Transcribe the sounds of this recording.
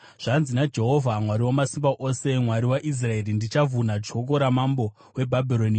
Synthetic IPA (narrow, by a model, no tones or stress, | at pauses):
ʐ̥anzinad͡ʒe̞ɦo̞vʱamwaɾiwomasimbaʔose̞mwaɾiwaʔis̬rae̞rindit͡ʃavʱunad͡ʒʱo̞k̬o̞ɾamambo̞ | we̞bʱabʱiɾonia